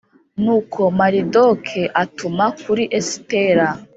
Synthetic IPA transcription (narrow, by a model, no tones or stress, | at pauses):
nuːkʰo̞maɾidokʰeʔatumakuɾiʔesi̥teɾa